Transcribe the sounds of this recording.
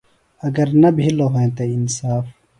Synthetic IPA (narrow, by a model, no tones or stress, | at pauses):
ɐɡɐɾnɐbʱiloɦoẽt̪einsaːf